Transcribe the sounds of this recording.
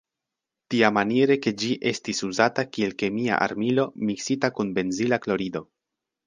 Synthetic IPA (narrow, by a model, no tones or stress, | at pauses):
tiamaniɾe̞ke̞d͡ʒiʔe̞stisuzatakie̞lke̞mia̰ʔa̰ɾmilo̞miksitakunbe̞nzilaklo̞ɾido̞